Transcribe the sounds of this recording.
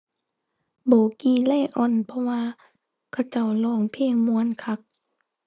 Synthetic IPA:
bɔː˨˦kiː˧˩˦lɛ˧˨ʔɔ˧˨npʰɔ˧waː˧ | kʰa˧˩wt͡ɕa˧˩˨wlɔː˧˩˨ŋpʰeː˧˨ŋmu˧˦ə˨nkʰa˧˦˥k̚

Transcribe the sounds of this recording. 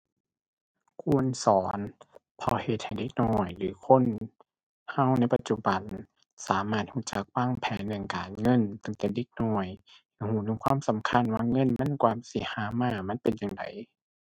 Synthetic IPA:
kʰu˧˩ənsɔː˨˦n | pʰɔ˧˩he˧˦t̪̚ha˧˩jde˧k̚nɔː˧˩jlɯː˨˦kʰo˧˥˨n | ha˧˥˨wna˧˩˨jpa˧t̪t͡ɕu˧ba˨n | saː˨˦maː˧˩t̪̚huː˧˦t͡ɕa˨˦k̚waː˧˥˨ŋpʰɛː˨˦ndɯ˧˨ŋkaː˨nŋɤ˧˥˨nt̪a˧˦ŋt̪ɛː˨˩de˧˦k̚nɔː˧˩j | hhuː˧˦nɯː˧˦kʰwaː˧˥˨msa˨˦mkʰa˧˥˨nwaː˧˨ŋɤ˧˥˨nma˧˥˨nkwaː˧˨msi˧˩˦haː˨˦maː˧˩ma˧˥˨npe˨njaː˨ŋda̰˨˩j

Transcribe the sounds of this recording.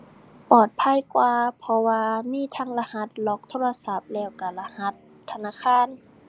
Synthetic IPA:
pɔː˨˩t̪̚pʰa˧˥˨jkwaː˧pʰɔ˧waː˧miː˧˥˨t̪ʰa˧˥˨ŋla˧ha˧˦t̪̚lɔː˧˦k̚t̪ʰoː˧˥˨la˧sa˧˦˩p̚lɛː˧˩wka˧˩la˧ha˧˦t̪ʰːa˧naː˧˥˨kʰaː˧˥˨n

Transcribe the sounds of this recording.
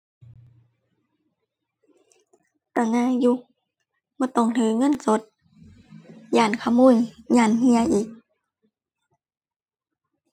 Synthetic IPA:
t̪a˧˩ŋaː˧˥˨ju˧˦ | bɔː˧˦t̪ɔ˧˩ŋt̪ʰɯː˨˦ŋɤ˧˥˨nso˧˦t̪̚ | jaː˧˩nkʰa˧˩muː˧˨jjaː˧˩nhi˧əʔiː˨˦k̚

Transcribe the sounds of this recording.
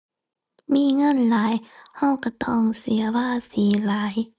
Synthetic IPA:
miː˧˥˨ŋɤ˧˥˨nlaː˨˦jhɔ˧˩wka˧˩t̪ɔː˧˥˩ŋsi˨˦ɐwaː˧˩˨siː˨˦laː˨˦j

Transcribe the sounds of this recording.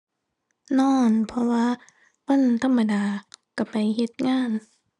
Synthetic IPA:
nɔː˧˩npʰɔ˧waː˧˨ | pɤ˧˥˨nt̪ʰa˧˥˨mːa˧daː˨˧ka˧˩pa˨jhe˧˦t̪̚ŋaː˧˥˩n

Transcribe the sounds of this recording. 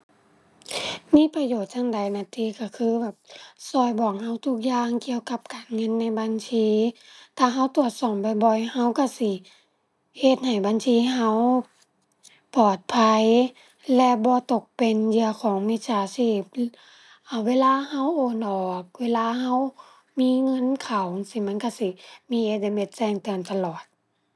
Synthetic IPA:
miː˧˥˨pa˧joː˨˩t̪̚sa˧˥˨ŋda˨˩jnaː˧˩t̪ʰiː˧˨ka˧˩kʰɯː˧˥˨bɛː˨˩p̚sɔː˧˩jbɔː˨˩k̚ha˧˩wt̪ʰu˧˩k̚jaː˧˨ŋki˧˨əwka˧p̚kaː˨˩nŋɤ˧˥˨nːa˧˩jba˧˨nsʰiː˧˥t̪ʰaː˧˩ɦa˧˥˨wt̪u˨˧˩ət̪̚sɔː˧˩mba˧˩jbɔ˧˩jha˧˥˨wka˧˩si˧˩ | he˧t̪̚ha˨˩jbaː˨nsiː˧˨ɦa˧˥˨w | pɔː˨˩t̪̚pʰa˧j | lɛ˧bɔː˧˦t̪o˧˩k̚pe˨njɯ˧ə˧kʰɔː˨˦ŋmi˧saː˨˧˦siː˧˩p̚ | ʔa˨˧˩weː˧˥˨laː˧˨ha˧˥˨wʔoː˧˩nɔː˨˩k̚weː˧˥˨laː˧˨ha˧˥˨w | miː˧˥˨ŋɤ˧˥˨nkʰa˨˩wsi˧˦˨ma˧˥˨nka˧˩si˧˦miː˧˨ʔe˧t̪̚da˧me˧˩t̪̚sɛː˧˨ŋt̪ɯ˨˩ənt̪a˧lɔː˨˩t̪̚

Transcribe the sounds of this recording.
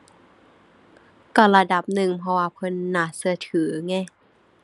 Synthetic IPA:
kɔ˧˩la˧da˨˧˩p̚nɯ˨˩ŋpʰɔ˧waː˧pʰɤ˧˥˨nːaː˧˩sɯ˧ɐt̪ʰɯː˨˩˦ŋɛː˧˩˨

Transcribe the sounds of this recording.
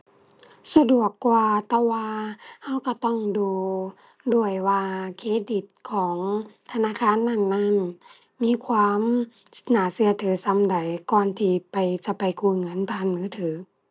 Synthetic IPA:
sa˧du˨˩əkːwaː˧t̪ɛː˧˩waː˧ha˧˥˩wka˧˩t̪ɔ˧˥˩ŋduː˧ | du˧˩əjwaː˧kʰeː˧˥˨di˨˧˩t̪̚kʰɔː˩˨˦ŋt̪ʰa˧naː˧˥˨kʰaː˧˥˨nːa˧˥˨nːa˧˥˩n | miː˧˥˨kʰwaː˧˥m̚˧ | naː˨˦si˧˦ɐt̪ʰɯː˨˦sa˧˨mda˨˦jkɔː˧˩nt̪ʰiː˧˩pa˨jt͡ɕa˧˦pa˨jkʰuː˧˨ŋɤ˧˥˨npʰaː˧˥˨nmɯː˧˥˨t̪ʰɯː˨˦

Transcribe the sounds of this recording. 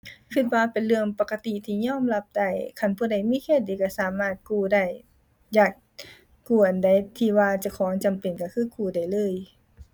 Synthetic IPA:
kʰɯ˧˩t̪̚waː˧pe˨nlɯ˧əŋpa˧ka˧t̪i˧˨t̪ʰiː˧˨ɲɔː˧˥˨mla˧˥p̚da˧˩jkʰa˧˥˨npʰuː˧˩da˧˩jmiː˧˥˨kʰeː˧˩t̪̚diː˨˦ka˧˩saː˨˦maː˧˩t̪̚kuː˧˩da˧˩j | jaː˧˩k̚ː | uː˧˩ʔa˨˩nda˧˩jt̪ʰiː˧˩waː˧t͡ɕa˧˩kʰɔː˨˦ŋt͡ɕa˨mpe˨˩nka˧˩kʰɯː˧˥˨kuː˧˩da˧˩jlɤː˧˥˨j

